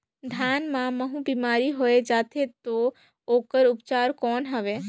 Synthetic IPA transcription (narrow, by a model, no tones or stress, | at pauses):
d̪ʱjaːnmãməɦũbiːmaːɾiɦoed͡ʒaːt̪ʰet̪o | oːkəɾʊpt͡ʃaːɾkɔːnɦəʋeː